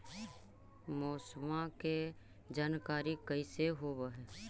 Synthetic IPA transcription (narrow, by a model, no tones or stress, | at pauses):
mɔːsmãke | d͡ʒaːnkaːɾikəiseɦoːbəɦɛ